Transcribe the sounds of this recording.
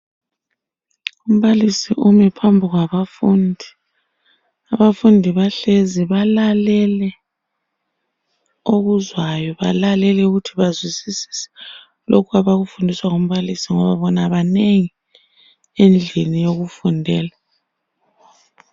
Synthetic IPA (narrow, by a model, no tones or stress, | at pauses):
um̩βalisiʔumɛpʰambʱiɣwaβafundʱi | aβafundʱiβaɬeziβalalɛlɛ | oɣuzwajɔβa̰lalɛlɛuɣutʰiβazwisisi̥sɛ̥ | lokʰuaβaɣufundʱiswaɣom̩βalisiŋɔβaβɔnaβaneŋi | end͡ɮʱenijoɣufundʱɛːla